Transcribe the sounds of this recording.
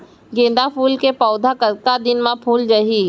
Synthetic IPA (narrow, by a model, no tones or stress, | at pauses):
ɡẽːn̆d̪apuːlkepɔʊd̪ʱakəkad̪ɪnmãpʰuːld͡ʒəɦiː